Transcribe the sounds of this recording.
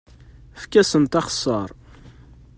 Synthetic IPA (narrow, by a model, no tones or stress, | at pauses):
fkːæsənt̪ɑχə̥sˤːəɾˤ